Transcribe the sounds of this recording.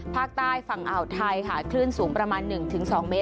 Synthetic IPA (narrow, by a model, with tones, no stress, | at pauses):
pʰaː˥˩k̚t̪aː˥˩jfa˨˩ŋʔa˨˩wt̪ʰa˧jkʰa˨˩kʰlɯ˥˩nsuː˩˦ŋpɾa˧maː˧nːɯ˨˩ŋt̪ʰɯ˩˦ŋsɔː˩˦ŋmeː˦˥